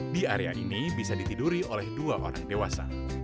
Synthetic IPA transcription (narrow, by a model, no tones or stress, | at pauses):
diaɾea̰ʔinibisadit̪iduɾiolɛhduaʔo̰ɾaŋdewasa̰